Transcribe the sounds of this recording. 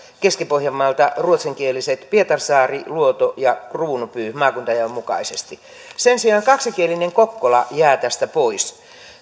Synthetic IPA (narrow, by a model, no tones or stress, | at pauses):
keskipohjɑmːɑlt̪ɑruot̪seŋkieliset̪piet̪ɑrsɑːriluot̪ojɑkruːnupyːmɑːkunt̪ɑjɑmukɑ̰isest̪i | sensiɑːŋkɑksikielineŋkokːolɑ̰jæːt̪æst̪æpois